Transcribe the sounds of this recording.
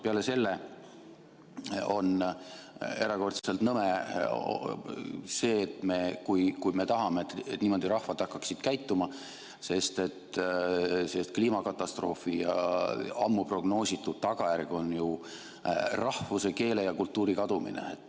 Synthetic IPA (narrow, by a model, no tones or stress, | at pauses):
peɑle̞se̞lːe̞ | o̞̰n | e̞ɾɑko̞rt̪sselt̪nɤmḛ | se̞ːt̪me̞kujkujme̞t̪ɑɦɑmeːt̪et̪niːmo̞d̪iɾɑhvɑd̪̥ɑkːɑksid̪̥kæjt̪ːumɑ | se̞st̪e̞t̪ | sest̪kliːmɑkɑt̪ːˑɑst̪ro̞̰ːfijɑ̰ɑmːupro̞ɡ̥no̞ːsit̪ːˑud̪̥t̪ɑɡ̥ɑjærɡ̥o̞nju | rɑhvuse̞ke̞ːle̞jɑkult̪ːˑuːɾikɑd̪̥umḭnḛet̪ːˑ